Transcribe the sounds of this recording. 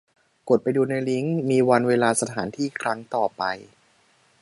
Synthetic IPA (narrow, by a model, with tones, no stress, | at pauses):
ko˨˩t̪̚pa˧jduː˧na˧jli˦˥ŋmiː˧wa˧nweː˧laː˧sa˧t̪ʰaː˩˦nt̪ʰiː˥˩kʰɾa˦˥ŋt̪ɔː˨˩pa˧j